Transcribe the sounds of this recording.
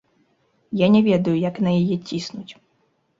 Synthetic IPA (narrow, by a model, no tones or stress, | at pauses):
janʲɛvʲɛd̪ɐjujɐknɐjajɛt͡sʲisnut͡sʲ